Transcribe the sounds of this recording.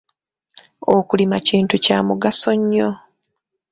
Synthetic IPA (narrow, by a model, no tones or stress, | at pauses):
okulimaciːntucaːmuɡaso̞ɲːo